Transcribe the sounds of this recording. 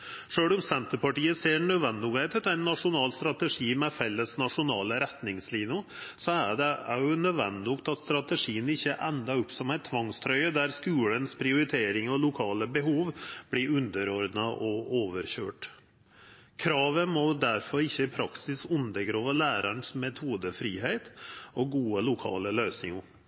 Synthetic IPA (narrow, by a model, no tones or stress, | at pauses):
ʂøːɽʊmsɛnt̪əpɑʈiːəseːɳœʋɛnd̪ɪʊɡet̪ʰɛt̪æɪnːɑʂʊnɑːlst̪ɾɑt̪əʂiːmɛfɛlːəsnɑʂʊnɑːləɾɛt̪nɪŋsliːnʊsɔæ̰ɖɛæjʊnœd̪ʋɛnd̪ɪʊkt̪ɑt̪st̪ɾɑt̪əʂiːənɪçːəʔɛnd̪ɑʉpːsɔmæɪt̪ʰːʋɑŋst̪ʰɾœʏəd̪æɾskʉːɽənspʰɾɪʊɾɪt̪ʰeːɾɪŋɔlʊkʰɑːləbɛɦuːʋb̥liːʉnd̪əɾɔɾd̪nəʔɔoːʋəɾɕøːʈ | kʰɾɑːʋəmɔd̪æɾfɔɾɪçːəɪpʰɾɑksɪsʉnd̪əɡɾoːʋəlæːɾəɳsmɛt̪ʰuːd̪əfɾiːɦeɪt̪ɔɡuːəlʊkʰɑ̰ːləløːsnɪŋʊ